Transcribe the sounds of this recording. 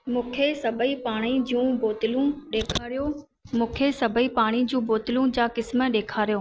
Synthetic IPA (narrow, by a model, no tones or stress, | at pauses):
mũːkʰesɐbʱəipaːɽ̃id͡ʑiũboːt̪ɪlũɗeːkʰaːɾijo | mũːkʰesɐbʱəipaːɽ̃id͡ʑũːboːt̪ɪlũd͡ʑaːkɪsmə̆ɗeːkʰaːɾijoː